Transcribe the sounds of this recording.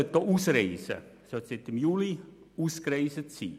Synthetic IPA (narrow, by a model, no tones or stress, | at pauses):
t̪ːoʔusreisæ̰sot̪set̪ːemjuli | uskreisət̪sḭː